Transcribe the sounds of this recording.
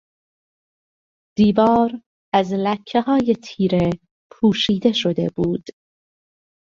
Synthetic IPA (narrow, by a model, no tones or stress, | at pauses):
d̪̥iːvɒːɾ | æzlæcʰːe̞hɒːje̞t̪ʰiːɾe̞ | pʰuːʃiːd̪e̞ʃo̞d̪e̞̰buːd̪̥